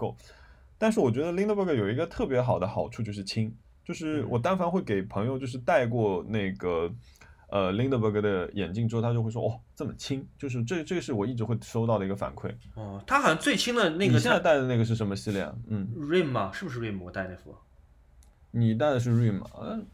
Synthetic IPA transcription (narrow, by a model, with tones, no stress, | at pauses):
ko˥˩ʊ | t̪a˥˧nʂɻ̩˥˩wɔ˨˩t͡ɕɥɛ˧˥d̪ə˧li˥ŋə˧bə˥˩ɡə˩jo˨˩ʊi˧˥ɡə˧t̪ʰɤ˥˩pjɛ˧˥xɑ˨˩ʊd̪ə˦xɑ˨˩ʊʈ͡ʂʰu˥˧t͡ɕjo˥˧ʊʂɻ̩˥˩t͡ɕʰi˥ŋ | t͡ɕjo˥˧ʊʂɻ̩˥˩wɔ˨˩t̪a˥nfɑ˥nxwe˥˩ɪke˨˩ɪpʰɤ˧˥ŋjo˧ʊt͡ɕjo˥˧ʊʂɻ̩˥˧t̪a˥˧ɪkwɔ˥˧ne˥˩ɪɡə˩ | ə˧li˥ŋd̪ə˧bə˥˩ɡə˩d̪ə˩jɛ̰˨˩nt͡ɕi˥˩ŋʈ͡ʂɻ̩˥˧˩t̪ʰa˥jo˥˧xe˥˩ɪʂwɔ̰˥ʔɔ˥˩t͡sə˥˩mə˩t͡ɕʰi˥ŋt͡ɕjo˥˧ʊʂ̬ɻ̩˥˧ʈ͡ʂʈ͡ʂɤ˥˩ɡə˩ʂɻ̩˥˩wɔ˨˩i˥˩ʈ͡ʂɻ̩˧˥xwe˥˩ɪʂo˥ʊt̪ɑ˥˩ʊə˩i˥ɡə˧fa̰˨˩nkʰwe˥˩ɪɔ˥˧˩t̪ʰa˥xɑ˨˩ɑ˥ŋt͡swe˥˩ɪt͡ɕʰi˥ŋd̪ə˨ne˥˩ɡɡə˩ɕjn˥t͡sa˥˧t̪a˥˩ɪd̪ə˩na˥˩ɡə˩ʂɻ̩˥˩ʂ̬ə˧˥nmə˧ɕi˥˧ljɛ̰˥˩nn̩˥˩ɻi˥˩mɐ˩ʂɻ̩˥˩bu˩ʂ̬ɻ̩˥˧ɻi˥˩mwɔ˨˩t̪a˥ɪne˥˩fu˥˩˨ | ni˨˩t̪̬a˥˩ɪd̪ə˩ʂ̬ɻ̩˥˧ɻi˥˩mɐ̰˨˩˥